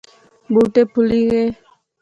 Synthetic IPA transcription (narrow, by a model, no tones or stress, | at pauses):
buʈepʰuliɣe